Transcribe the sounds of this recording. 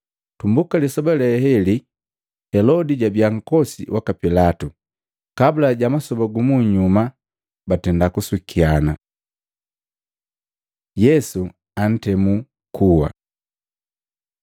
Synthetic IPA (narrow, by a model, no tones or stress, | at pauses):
tumbukalisɔbalɛhɛli | hɛlɔdiɟabjaŋ̩kɔsḭwʔakapilatu | kabulaɟamasɔbaɡumuɲuma | batɛndakuswikʰiana | jɛsu | an̩tɛmu | kʰuwa̰